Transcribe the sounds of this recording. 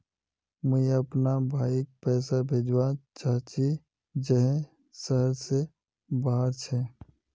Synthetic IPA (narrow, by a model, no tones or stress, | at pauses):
məɦiəpnabʱaːik̚pɛːsabʱeːd͡ʒwat͡ʃaːt͡ʃi | d͡ʒɛɦ | səɦəɾse | baːɦəɾt͡ʃʰɛ